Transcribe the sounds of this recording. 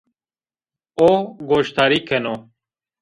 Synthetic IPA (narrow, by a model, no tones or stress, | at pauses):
oːɡoːʃt̪ʰaːɾiːkʰenoː